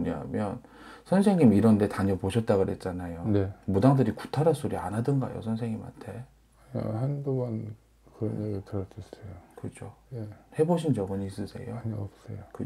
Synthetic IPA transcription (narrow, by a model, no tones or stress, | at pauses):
ɲa̰mjʌn | sʰʌnsʰe̞ŋɲimiɾʌnde̞taɲʌpoɕʰʌt̚t͈aɡɯɾɦet̚t͡ɕ͈anajonemudaŋdɯɾiku̥tʰaɾas͈oɾia̰nɦadɯnɡa̰jo̰sʰʌnsʰe̞ŋɲima̰ntʰe̞ | a̰handuɡʌn | kɯɾʌneɡitɯɾʌd͡ʑisejokɯd͡ʑonehe̞boɕʰind͡ʑʌɡɯnis͈ɯsʰe̞̰jo̰ɲʌp̚s͈ejokɯ